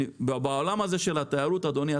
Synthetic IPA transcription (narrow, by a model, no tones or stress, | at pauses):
ibbao̞lamaze̞ʃe̞lat̪ejaɾut̪ad̪o̞nia